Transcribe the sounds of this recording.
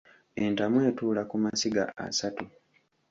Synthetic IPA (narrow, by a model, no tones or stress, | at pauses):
entamwe̞ːtuːlakumasiɡa̰ʔa̰satu